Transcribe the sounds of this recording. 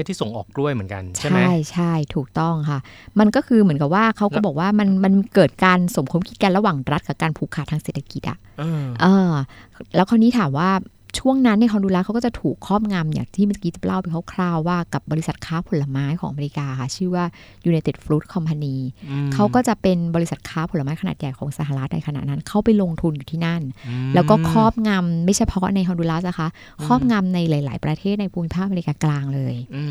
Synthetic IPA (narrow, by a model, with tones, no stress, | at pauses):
e˥˩t̪ʰːiː˥˩so˩˦ŋʔɔ̰ː˨˩k̚du˥˩əjmɯ˩˦nka̰˧nt͡ɕʰa˥˩jt͡ɕʰa˥˩jt̪ʰuː˨˩k̚t̪ɔ˥˩ŋkʰa˥˩ma˧nkɔː˥˩kʰɯː˧mɯ˩˦ənka˨˩p̚waː˥˩kʰa˦˥wkɔː˥˩bɔː˨˩k̚waː˥˩ma˧nma˧nkɤː˨˩t̪̚kaː˧nso˩˦mkʰo˧˥mkʰi˦˥t̪̚ka˧nɾa˧waː˨˩ŋɾa˦˥t̪̚kʰa˧˩kaː˧npʰuː˧˩kʰaː˨˩t̪ʰːŋse˨˩t̪ʰa˧ki˨˩t̪̚ʔa̰ː˨˩˧ | ʔɤː˧lɛː˦˥wkʰa˧˥nːiː˦˥t̪ʰaː˩˦mwaː˥˩ | t͡ɕʰu˥˩əŋna˦˥nːa˧˩jkʰɔː˧nduː˧laː˧kʰa˦wkɔː˥˩t͡ɕa˨˩t̪ʰuː˨˩kʰːɔː˥˩p̚ŋa˧mja̰ː˨˩ŋt̪ʰiː˥˩a˧sa˧˩kiː˦˥t͡ɕa˨˩la˥˩wpa˧kʰa˦˥˩kʰlaː˥˩wːaː˥˩ka˨˩p̚bɔː˧ɾi˧˥sa˨˩t̪̚kʰaː˦˥pʰo˨˦la˧maː˦˥jkʰɔː˩˦ŋʔma˧i˦˥kaː˧kʰa˥˩t͡ɕʰɯː˥˩waː˥˩ | juː˧na˧jt̪e˨˩t̪̚fɾuː˦˥t̪̚kʰɔ˧mpʰa˧niː˧kʰa˨˦˥wkɔː˥˩t͡ɕa˨˩pe˧nbɔː˧ɾi˧sa˨˩t̪̚kʰaː˦˥pʰo˨˦lːa˧maː˦˥jkʰa˧naː˨˩t̪̚ja˨˩jkʰɔː˩˦ŋsa˧˩ɦaː˨˩ɾa˦˥t̪̚na˧jkʰa˧na̰˨˩na˦˥nkʰa˦˥˩wpa˧jlo˧ŋt̪ʰu˧njuː˨˩t̪ʰiː˥˩na˥˩nlɛ˦˥wkɔː˥˩kʰɔː˥˩p̚ŋa˧mma˥˩jt͡ɕʰa˥˩pʰɔ˦˥na˧jkʰɔ˧nduː˧laː˦˥sa˨˩kʰa˦˥ | kʰɔː˥˩p̚ŋa˧mna˧jlaː˨˦jla̰ː˩˦jpɾa˧t̪ʰeː˥˩t̪̚na˧jpʰuː˧mːi˦˥pʰaː˥˩ʔa˧m˧i˧kaː˧klaː˧ŋlɤː˧j